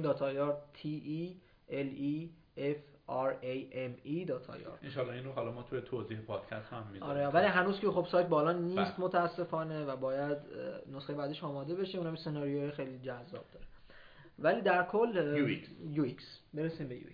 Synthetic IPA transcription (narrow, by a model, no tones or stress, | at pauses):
d̪ɒːt̪ʰɒːjɒɾt̪ʰiʔi | eli | efæɾejemid̪ɒːt̪ʰɒ̰ːjɒ̰ɾde̥nʃɒːlːɒinroɦɒlɒmɒt̪ʰujet̪ʰoziːhepʰɒːd̪̥cʰæst̪hæmːizɒːɾevæliɦænuːzkʰexo̞b̥sɒːjt̪̚bɒːlɒːniːst̪mot̪ʰææsːe̞fɒːne̞væbɒːjæd̪nosχejbæd̪eʃɒːmɒːd̪e̞be̞ʃeunhæmesenɒːɾijojexejlid͡ʒæzːɒ̰ːb̥̚d̪̥ɒːɾe | væliːd̪æɾkʰolːikjuiksbe̞ɾesiːmbe̞jṵḭ